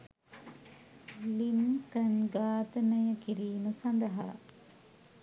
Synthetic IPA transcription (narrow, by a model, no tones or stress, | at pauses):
lint̪ənɡaːt̪ənəjəkiɾiːnusɐnd̪əɦɐɾa̰